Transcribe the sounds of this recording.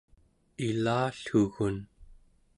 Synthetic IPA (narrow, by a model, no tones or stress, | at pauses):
ilaːɬxuɣun